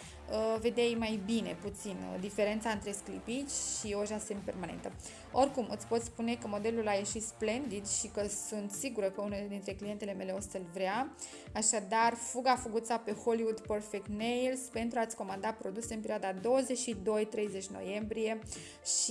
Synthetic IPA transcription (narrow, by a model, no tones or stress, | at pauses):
əve̞d̪ejmajbine̞̰put̪sind̪ife̞ɾe̞nt̪saɨnt̪ɾe̞sklipit͡ʃʲʃioʒasempe̞rmane̞̰nt̪ə | o̞rkumɨt̪sʲpo̞t̪spune̞kəmo̞d̪e̞lulaje̞ʃit̪sple̞nd̪id̪ʃikəsunt̪siɡuɾəkəuneled̪int̪ɾe̞klie̞nt̪e̞le̞me̞le̞o̞st̪əlvɾea | aʃad̪arfuɡafuɡut̪sape̞holiwud̪pərfekt̪nejlspe̞nt̪ɾuat̪sʲko̞mand̪apɾo̞d̪use̞ɨnpe̞ɾʲiad̪ad̪o̞wəze̞t͡ʃʃid̪o̞jt̪ɾejze̞t͡ʃʲno̞̰je̞mbɾije̞ | ʃ